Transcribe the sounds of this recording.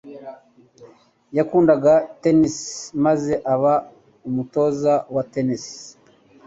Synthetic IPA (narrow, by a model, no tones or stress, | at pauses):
jakuːndaɡatenismaze̞ʔaβa | umuto̞ːzawatenis